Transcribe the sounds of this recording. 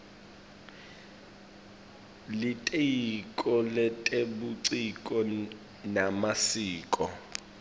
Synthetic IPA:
litʼejikʼɔlɛtʼeɓuǀikʼɔ | namasiːkʼɔ

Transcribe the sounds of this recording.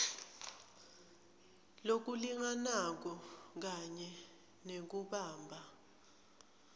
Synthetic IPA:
lok̬uliŋanak̬ɔk̬aɲɛ | nek̬uɓaːmbʱa

